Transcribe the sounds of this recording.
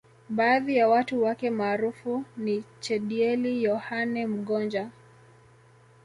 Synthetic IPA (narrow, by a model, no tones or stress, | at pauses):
ɓaːðijawatuwakɛmaːɾufunit͡ʃɛɗiɛlijɔhanɛm̩ɠɔnd͡ʒa